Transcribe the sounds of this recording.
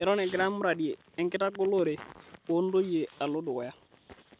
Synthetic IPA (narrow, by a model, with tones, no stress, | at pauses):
ɛ˨ɾɔ˦nɛ˨ɡɪ˨ɾa˦mɾa˨djeː˨ŋkɪ˦ta˦ɡʊ˦lo˦˨ɾe˨ko˦ndo˦je˨a˨lo˦dʊ˨wɛ˨ja˦